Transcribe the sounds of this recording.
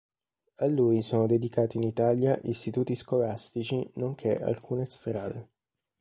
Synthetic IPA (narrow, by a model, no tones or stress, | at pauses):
alːuːjsoːnod̪ed̪ikaːt̪iːnit̪aːljaʔist̪it̪uːt̪iskolast̪it͡ʃinoŋkʰeʔa̰lkʰuːnest̪ɾaːd̪e